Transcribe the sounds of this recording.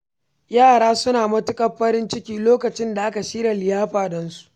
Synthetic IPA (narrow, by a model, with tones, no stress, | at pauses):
jaː˦˨ɽaː˦sʊ˦naː˨mɐ˦tʊ˦kʼɐ˦ɸɐ˦ɾɪ˦nt͡ʃɪ˦kʲiː˦loː˦kɐ˨t͡ʃɪ˦nda˨ʔa˦ka˨ʃiː˦ɽa˨lɪ˨jaː˦ɸaː˨dɐ˨nsu̥˦ʔʔ